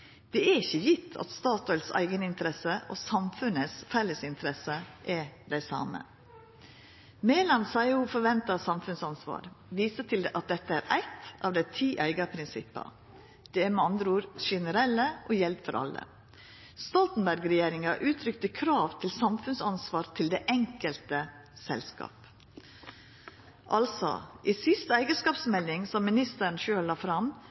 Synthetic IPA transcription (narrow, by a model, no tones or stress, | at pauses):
d̪̥ɛæɾɪçəjɪt̪ʰːɑ̰t̪st̪ɑːt̪ɔʏlsæ̰ɪɡənɪnt̪əɾɛsəʔosɑmfʉnəsfɛlːəsɪnt̪ʰəɾɛsəʔɛɾd̪æɪsɑ̰ːmə̰ | mɛːlɑnsɑɪhuːfɔɾʋɛnt̪ɑsɑmfʉnsɑnsʋɑ̰ːɾʋiːsət̪ʰɪld̪ɛʔɑt̪̚d̪ɛt̪ːəæːɾæɪt̪ʔɑːʋd̪æɪt̪ʰiːʔæɪɡɑpʰɾɪnsɪpːɑ̰ | d̪̥ɛæɾmɛɑnd̪ɾəuːɾʃɛnəɾɛlːəʔɔjɛlb̪fɔɾʔɑ̰lːə̰ | st̪ɔlt̪n̩bæɾɡɾɛjeːɾɪŋɑʔʉːt̪ʰɾʏkt̪əkʰɾɑːʋt̪ʰɪlsɑmfʉnsɑnsʋɑːɾt̪ʰɪld̪eːʔɛŋkəlt̪ə | sɛ̰lskɑ̰ːp | ʔɑlsɔ̰ʔisɪst̪æɪɡəskɑːpsmɛld̪ɪŋsɔmːɪnɪst̪əɾɳʃøːlːɑːfɾɑm